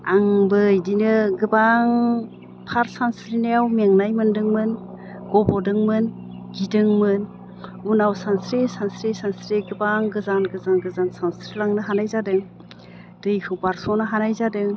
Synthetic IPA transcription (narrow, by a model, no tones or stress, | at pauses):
aŋbɯjdinɯɡɯbaŋ | pʰaɾsansɾinejawmeŋnajmɯndɯŋmɯn | ɡ̥ɔbɔdɯŋmɯn | ɡidɯŋmɯn | unawsansɾisansɾisansɾiɡɯbaŋɡɯzanɡɯzanɡɯzansansɾilaŋnɯɦanajzadɯŋ | d̥ɯjkʰɯwbaɾsɔnɯɦanajzadɯŋ